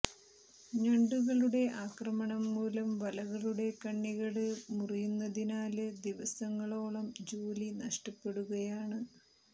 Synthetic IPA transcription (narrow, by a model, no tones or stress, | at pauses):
ɲɐɳɖuɣɐɭuɽe̞ʔaːkrɐmɐɳɐmːuːlɐmʋɐlɐɣɐɭuɽe̞kɐɳːiɣɐɭɨmurijunːɐðinaːlɨd̪iʋɐsɐŋːɐɭo̞ːɭɐmd͡ʑoːlinɐʂʈɐpːe̞ɽuɣɐjaːɳɨ